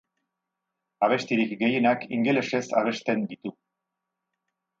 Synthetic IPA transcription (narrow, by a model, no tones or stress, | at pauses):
aβ̞e̞st̪iɾikɡe̞je̞nakḭŋɡe̞le̞se̞saβ̞e̞st̪e̞nd̪it̪u